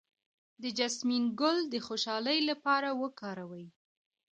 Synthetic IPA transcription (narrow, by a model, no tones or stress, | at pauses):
d̪əd͡ʒasminɡʊld̪əxoʃɑləjlapɑɾawəkɑɾawəj